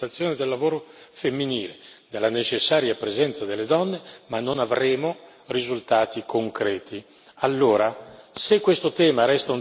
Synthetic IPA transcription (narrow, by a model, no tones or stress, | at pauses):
at̪sːjoːned̪elːavoːɾofemːiniːled̪elːanet͡ʃesːaːɾjapɾezɛnt̪sad̪elːed̪ɔnːemanːonavɾeːmo | rizult̪aːt̪ikʰoŋkɾɛːt̪i | alːoːɾasekːwest̪ot̪ɛːmaɾɛst̪aun